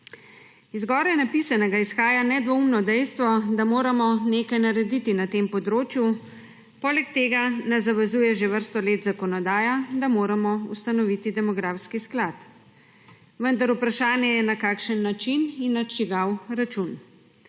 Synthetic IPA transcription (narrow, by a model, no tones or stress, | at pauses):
izɡɔːɾɛnapisanɛɡaisxaːjanɛd̪ʋɔumnɔd̪ɛjst̪ʋɔd̪amoːɾamɔneːkajnaɾɛd̪it̪inat̪empɔd̪ɾoːt͡ʃju | pɔːlɛk̚t̪eːɡanazaʋɛzuːjɛʒeʋəɾst̪ɔleːt̪zakɔnɔd̪aːjad̪amoːɾamɔust̪anɔʋit̪id̪ɛmɔɡɾafskisklat̪ | ʋənd̪aɾupɾaʃaːnjɛjɛnakaːkʃənːat͡ʃininːat͡ʃiɡawɾat͡ʃun